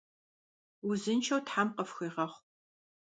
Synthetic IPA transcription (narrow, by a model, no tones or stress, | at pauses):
uzɨnt͡ʃʰɐwtħamqəfxiːʁɐχʷ